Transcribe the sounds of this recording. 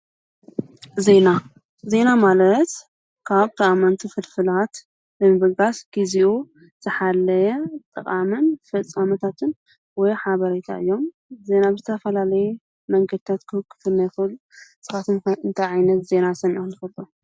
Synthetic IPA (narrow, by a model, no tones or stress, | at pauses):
ze̞na | ze̞namalɐt̪ | kʰaβt̪ʰɐʔʼamant̪ʰifɨlfɨlat̪ | bɨmɨβɐɡasɡ̥iziʔu | z̥ɨħalːɐjɛt̪ʼɨkʼamɨnfɐt͡sʼːamɐt̪ʰat̪ʰɨn | wɔjħaβɐɾet̪ʰa̰ʔɨ̰jːo̞m | ze̞nabɨzɨt̪ʰɐfɐlalɐju | mɐŋɡɐd̪̚t̪ʰat̪kʰɨɨkʰːɨ̥t̪ʰɨnːɐjxɨlusɨxat̪ɨnɨnt̪ʰajʕajnɐt̪ze̞nasɐniʔonɨfɐt̪ʼːo